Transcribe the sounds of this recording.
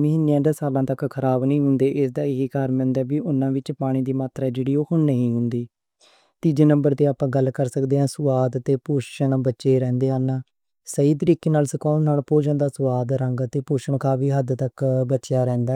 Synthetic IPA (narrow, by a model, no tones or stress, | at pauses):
məɦɪnːejãːɖəsaːlãːt̪əkkʰəɾaːbnĩːɦʊnd̪eːʔɪsd̪aːɪɦikaːɾmɪnd̪ɛːbiːʔʊnːãːʋɪt͡ʃpaːɽ̃ĩːd̪iːmaːt̪ɾaːd͡ʒeːɽiːoːkʊɳnəɦĩːɦʊnd̪iː | t̪iːd͡ʒeːnəmbəɾt̪eːaːpãːɡəlːkəɾsəkd̪eːɦãːsʊʋaːd̪t̪eːpuʃənbətːʃeːɾɛ̃ːnd̪eːɦaːnaː | səiːt̪əɾiːkeːnaːlsəkɔːnaːlpoːd͡ʒãːd̪aːsʊʋaːd̪ɾə̃ŋɡət̪eːpuːʃəɳkaːʋiːɦəd̪t̪əkbətːt͡ʃɪjaːɾɛ̃ːnd̪aː